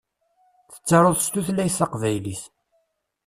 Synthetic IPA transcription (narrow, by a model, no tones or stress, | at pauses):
θə̥t͡sːɑɾˤoðˤst̪uθlæjsɑqvæjliθ